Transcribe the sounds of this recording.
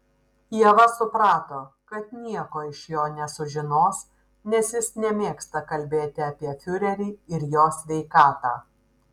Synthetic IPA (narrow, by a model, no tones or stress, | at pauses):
jiɛʋɐsʊpɾɑːt̪oːkɐt̪nʲiɛkoːɪʃjoːnʲɛsʊʒʲɪnoːs | nʲɛsjɪsnʲɛmʲeːkst̪ɐkɐlʲbʲeːt̪ʲɪɐpʲiɛfʲʊɾʲɛɾʲiːɪɾjoːsʲʋʲɛɪkɑːt̪ɑː